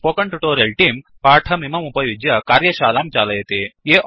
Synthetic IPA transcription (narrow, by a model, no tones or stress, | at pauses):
pokɐɳʈuʈoɾjelʈiːmpaʈʰɐmimɐmupɐjud͡ʒjɐkaɾjɐɕalamt͡ɕaləjet̪ejeʔ